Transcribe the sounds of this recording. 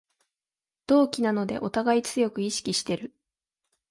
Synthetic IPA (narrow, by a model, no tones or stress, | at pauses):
d̪̥o̞ːkʲinano̞d̪e̞̰ʔo̞t̪aɡait͡sɨjo̞kɯ̟iɕi̥kʲiɕi̥t̪e̞ɾɯ̟